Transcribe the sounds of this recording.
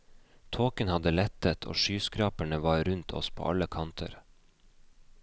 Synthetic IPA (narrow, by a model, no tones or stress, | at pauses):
t̪ʰoːkənhɑd̪əlɛt̪ət̪ʰo̰ːʃyːskɾɑːpəɳəʋɑːɾʉnt̪ʰɔ̰spʰo̰ːʔɑləkʰɑnt̪ʰə̰ɾ